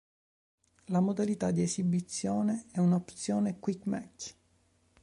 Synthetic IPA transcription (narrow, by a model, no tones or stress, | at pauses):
lamod̪alit̪ad̪iesibit̪sːjoːneɛunaopt̪sjoːnekwikmɛk